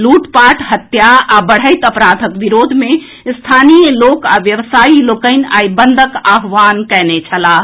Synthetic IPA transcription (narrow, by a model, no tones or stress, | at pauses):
luʈpaʈɦət̪jaːbəɽ̤əjt̪əpɾad̪ʱəkbiɾod̪ʱme | st̪ʰanijəlokaʋjəʋsailokəɪn̆ajbənd̪ʱəkaɦʋankɛnet͡ʃʰəla